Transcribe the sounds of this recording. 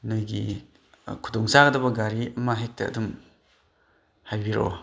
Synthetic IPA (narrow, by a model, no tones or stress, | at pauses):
nojɡi | kʰudɔŋsaɡɐdɐbɐɡaɾiʔɐmɐɦek̚tɐ̰ːdum | hajbiɾo̰